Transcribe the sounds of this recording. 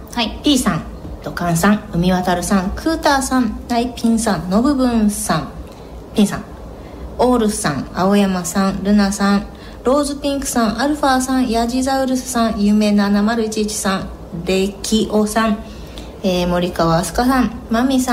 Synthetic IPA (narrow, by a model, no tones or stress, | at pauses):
aipʲiːsãn | d̪̥o̞kãɰ̃sãŋɯ̟mʲiβat̪aɾɯ̟sãŋkʰɯ̟ːt̪aːsãnnaipʲĩɰsãnno̞bɯ̟bɯ̟̃ɰ̃sãŋ | pʲĩɰ̃sã̰ŋ | o̞ːɾɯ̟ssã̰ŋaojamasãnɾɯ̟nasãɴ | ɾo̞ːzɨpʲĩŋkɯ̟̥sãɰʔaɾɯ̟ɸaːsãɰ̃jaʑizaɯ̟ɾɯ̟sɨ̥sãɰ̃jɯːme̞ːnanamaɾɯ̟it͡ɕit͡ɕi̥sãɴ | ɾe̞kʲʰiʔosãɴ | eːmo̞ɾʲikaβaːsɨ̥kasãɴmamʲisa